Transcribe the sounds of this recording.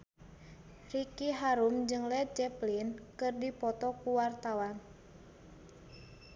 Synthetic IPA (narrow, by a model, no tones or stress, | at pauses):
rikiɦaɾumd͡ʒɨŋlɛt̪̚d͡ʒɛplinkɨrdipɔt̪ɔkuwart̪awan